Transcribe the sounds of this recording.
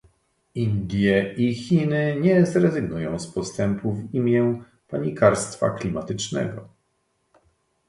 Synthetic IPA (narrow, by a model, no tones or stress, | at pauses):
ind̪ʲjɛixʲinɘɲɛzɾɛzɘɡnujɔ̃w̃spɔst̪ɛmpʰuvimʲjɛ | paɲikʰaɾst̪fa̰klʲimat̪ɘt͡ʂnɛ̰ɡɔ